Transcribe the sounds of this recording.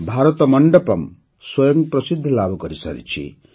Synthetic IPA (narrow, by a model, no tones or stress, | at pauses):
bʱaɾɔt̪ɔmɔɳɖɔpɔm | swɔjɔŋpɾɔsid̪ʱːɔlabʱukɔɾisa̰ɾḭt͡ʃʰḭ